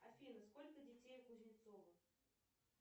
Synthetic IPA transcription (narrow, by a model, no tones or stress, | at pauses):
ɐfʲinəskolʲkədʲɪtʲejkʊzʲnʲt̪sovə